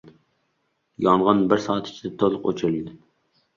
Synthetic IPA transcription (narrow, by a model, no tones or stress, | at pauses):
jɒɴʁɑnbɪɾsɑːt̪ʰɪ̥t͡ʃʰid̪ɛt̪ʰolˠʊqo̰t͡ʃʰɾlɪd̪ɪ